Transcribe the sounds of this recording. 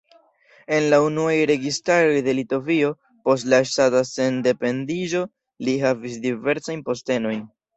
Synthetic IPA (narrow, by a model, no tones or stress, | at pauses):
e̞nlaunuajɾe̞ɡistaɾo̞jde̞lito̞vio̞ | po̞s̬tlaʃtatase̞nde̞pe̞ndiʒo̞ | liɦavis̬dive̞ɾsajnpo̞ste̞no̞jn